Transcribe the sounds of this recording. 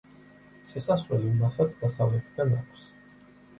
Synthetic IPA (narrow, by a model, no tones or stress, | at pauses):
ʃɛsasvɛlimasat̪sʰd̪asavlɛt̪ʰɡ̪anakʰʷs